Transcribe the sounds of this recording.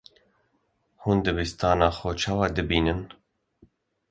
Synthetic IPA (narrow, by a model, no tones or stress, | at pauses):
huːnd̪ɨbist̪ɑːnɑːxɔt͡ʃʰɑːwɑːd̪ɨbiːnɨn